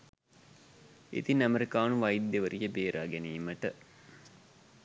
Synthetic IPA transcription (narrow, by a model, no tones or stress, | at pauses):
ḭt̪inæmeɾikaːnuʋɐjd̪ːeʋəɾʔijəbeːɾʔaːɡæniːməʈə